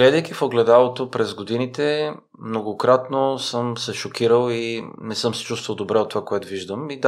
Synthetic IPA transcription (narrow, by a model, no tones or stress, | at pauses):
ɡlɛd̪əjk̟ifoɡlɛd̪alˠot̪opɾɛzɡod̪init̪ɛ | mnoɡokɾat̪nosɤmsɛʃokiɾəlˠinɛsɤmsɛ̥t͡ʃust̪vəlˠd̪obɾɛot̪ːovakoɛt̪oviʒd̪əmid̪